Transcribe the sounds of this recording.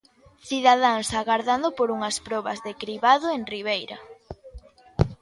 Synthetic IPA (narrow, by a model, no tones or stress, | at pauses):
θiðað̞aŋsaɣaɾðand̪opoɾuŋɐspɾɔβɐzðekɾiβaðoeŋriβ̞ejɾɐ